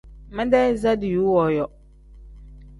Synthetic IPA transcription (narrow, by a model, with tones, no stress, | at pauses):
mɪ̃˦dɛ˦za˦dɪ˨juː˦wɔ˨jɔ˨